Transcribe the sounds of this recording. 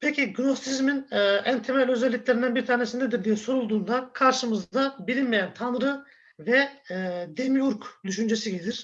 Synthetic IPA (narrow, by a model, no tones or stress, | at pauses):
pʰecʰiɡno̞st̪izminʔænt̪ʰemælʲø̞zɛlʲːiclʲe̞ɾinænbiɾt̪ʰaːnesind̪ed̪iɾd̪ijɛso̞ɾulˠd̪uːnd̪akʰaɾʃɯmɯzd̪abilʲinmejænt̪ʰanɾɯ | vɛ | d̪emjuɾkd̪yʃynd͡ʒesiɟe̞lʲiɾ̥